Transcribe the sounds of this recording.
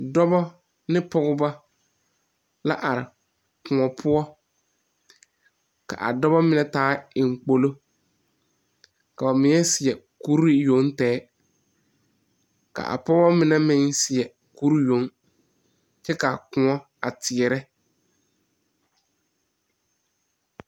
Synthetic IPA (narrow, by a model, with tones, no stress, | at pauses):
dɔ˦bɔ˦ | nɪ˦pɔ˦ɣʊ˦ba˦ | la˦ʔa˨ɾɪ˨ | kʊ˨ŋɔ˨pʰʊ˦ɔ˦ | ka̰˨ʔa̰˨dɔ˦bɔ˦mɪ˨nɛ˦taː˦ɪ˨ŋ˨k͡po˦lo˦ | ka˨ba˨mɪ̃˨ŋɛ˦sɪ˨ɛ˨ku˦ɾi˦jo˨˦ŋtɛː˨˦ | ka̰˨ʔa̰˨pɔ˦ba˦mɪ˨nɛ˦mɪ˦ŋsɪ˨ɛ˨ | ku˦ɾjo˨˦ŋ | t͡ʃɛ˦ka˨kʊ˨ɔ˦ | a˨tʰɪ˨ɛ˨ɾɛ˦